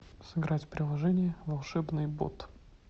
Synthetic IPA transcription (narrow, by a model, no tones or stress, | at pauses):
sɨɡɾatʲpɾʲɪlˠɐʐɛnʲɪjəvɐlˠʂɛbnɨjbo̰t̪